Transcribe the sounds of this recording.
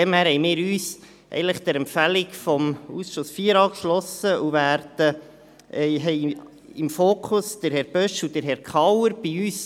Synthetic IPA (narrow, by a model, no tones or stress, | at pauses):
ɛmhæːɾhɛjmɪːɾyːs | ʔɛ̰ənləχd̥̪əɾɛmpfælikfɔmusʃosfiːəɾɑːkʃlɔsəʔuvæːɾd̥ə | ʔɛɦɛɪ | imfoːkʰʊsd̥əɾhɛɾb̥œʃud̥əɾɦɛɾkʰχɑwəɾb̥iyːs